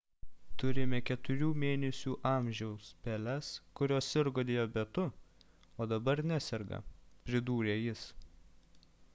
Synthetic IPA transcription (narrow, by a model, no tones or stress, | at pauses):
t̪ʊɾʲɪmʲɛkʲɛt̪ʊɾʲuːmʲeːnʲɛsʲuːʔɑːˑmʲʒʲɛʊspʲɛlʲɛskʊɾʲoːsʲɪɾɡoːd̪ʲeːjoːbʲɛt̪ʊ | oːd̪ɐbɐɾnʲæsʲɛɾɡɐ̰pʲɾʲɪd̪uːɾʲeːjɪs